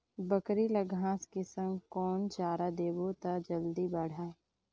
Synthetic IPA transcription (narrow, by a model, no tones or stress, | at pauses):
bəkɾilɐɡʱãːskisə̃ŋɡkɔːnt͡ʃaːɾad̪eːbot̪ad͡ʒəld̪ibaɽ̤aː